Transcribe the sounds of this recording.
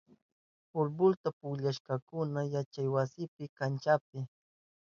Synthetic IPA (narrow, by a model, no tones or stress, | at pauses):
pʊɾbʊlt̪apʊʎaʃkɑkʊnajat͡ʃajwasɪpɪkant͡ʃap̚ɪ